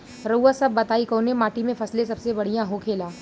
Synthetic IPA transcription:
ɾɐuasɐbːɐt̪aːikoːnẽmaːʈimẽfʰɐslẽsɐbsebɐɽ̤ijãɦokʰeːlaː

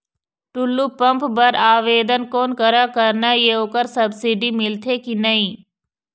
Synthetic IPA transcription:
ʈʊlːuːpɐ̃mpbɐɾaːʋeːd̪ənkoːnkəɾakəɾnajeoːkəɾsɐbsiɖimɪlt̪ʰeːkinɐĩː

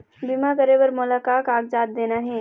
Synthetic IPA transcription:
bimakəɾeʋəɾmʊlaːkaːkaːɡ̚d͡ʒaːt̪̚d̪eːnaɦɛː

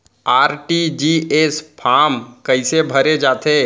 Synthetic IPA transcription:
aːɾʈid͡ʒiːeːspʰaːmkɐɪsebʱɐɾed͡ʒaːt̪eː

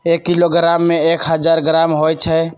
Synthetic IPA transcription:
ekːiloɡɾamːeekʰɦəd͡ʒaɾɡɾamɦojt͡ʃʰɛ

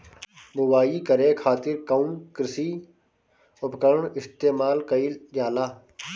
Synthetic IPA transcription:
bʊwaːiːkəɾeːkʰaːt̪ɪɾkəũkɪɾɪsiː | ʊpkəɾɳɪst̪eːmaːlkəild͡ʒjaːlaː

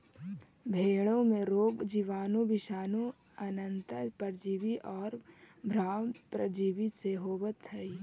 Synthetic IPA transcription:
bʱeːɭõmẽɾoːɡd͡ʒiʋaːnõbɪʃaːnõ | ɐnə̃nt̪əpəɾd͡ʒiːʋiʔɔːɾbʱɾaːpɾəd͡ʒiːʋiseɦoːʋət̪ʰɦɐi

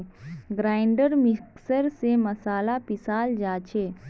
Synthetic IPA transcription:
ɡɾaːɪɳɖəɾmɪksəɾsemɐsaːlapɪsaːld͡ʒaːt͡ʃʰeː

